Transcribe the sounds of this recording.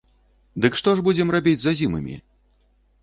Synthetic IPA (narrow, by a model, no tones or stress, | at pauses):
d̪ɨkʂt̪ɔʐbud͡zʲɛmrabʲid͡zʲzazʲimɨ̰mʲḭ